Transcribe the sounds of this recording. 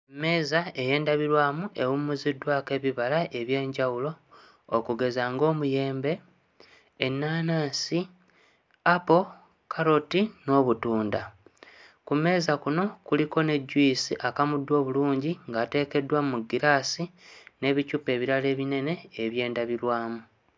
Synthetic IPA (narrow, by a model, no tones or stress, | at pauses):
me̞ːzae̞je̞ːndaβiɾwaːmuʔe̞wumːuzidwake̞βiβalaʔe̞βje̞ːɲɟawulo̞ː | kuɡe̞zaːŋɡo̞ːmuje̞ːmbe̞ː | nːaːnaːnsi | apo̞ | kʰaɾo̞tino̞ːβutuːnda | kume̞ːzakuno̞kuliko̞ne̞ɟːwiːsiʔakamudːwo̞ːβuluːɲɟiŋɡaːte̞ːke̞dwamuɡiɾasine̞βicupe̞ːβiɾale̞ːβine̞ne̞ːβje̞ːndaβiɾwaːmu